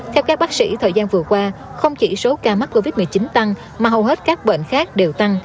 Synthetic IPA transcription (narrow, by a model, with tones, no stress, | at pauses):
t̪ʰɛ˧wkaː˦˥k̚ɓaː˦˥k̚sḭ˧˥t̪ʰəː˨˩jzaː˧nvɨ˨˩əkwaː˧xə˧wŋ͡mt͡ɕḭ˧˩so˨˦kaː˨˩ma˦˥t̚ko˧vi˦˥t̚mɨ˨˩ət͡ɕi˨˦nt̪a˧ŋ | maː˨˩ɦə˨˩wɦe˦˥t̚kaː˦˥k̚ɓḛ˧˨nxaː˦˥k̚ɗe˨˩wt̪a˧ŋ